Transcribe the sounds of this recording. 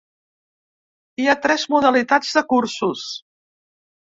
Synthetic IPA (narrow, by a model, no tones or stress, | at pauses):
iat̪ɾɛzmuðəlit̪ad͡zðəkuɾsus